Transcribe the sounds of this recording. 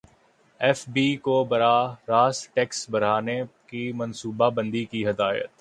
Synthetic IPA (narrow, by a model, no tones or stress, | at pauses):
ɛːfbiːkobɐɾaːɾaːsʈɛːksbɐɾ̤aːnekimɐ̃nsuːbabə̃nd̪ikiɦɐd̪aːjə̰t̪